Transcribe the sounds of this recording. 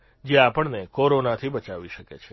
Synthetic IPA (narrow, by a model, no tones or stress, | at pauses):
d͡ʒeapəɳnekoɾonat̪ʰibət͡ʃaʋiʃəket͡ʃʰe